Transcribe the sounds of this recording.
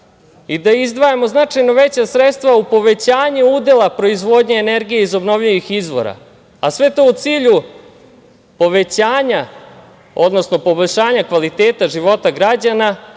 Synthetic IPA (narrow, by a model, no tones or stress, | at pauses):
id̪aizd̪ʋajemo̞znat͡ʂajno̞ʋe̞t͡ɕasɾet̪st̪ʋaupo̞ʋe̞t͡ɕaːɲeuːd̪e̞lˠapɾo̞izʋo̞ːd̪ɲe̞ːneɾɡijeizo̞bno̞ʋʎiʋixizʋo̞̰ɾa̰ | asʋe̞t̪o̞ut̪siːʎu | po̞ʋe̞t͡ɕaːɲa | o̞d̪no̞sno̞po̞boʎʲʂaːɲakʋalit̪eːt̪aʒiʋo̞t̪aɡɾad͡ʑana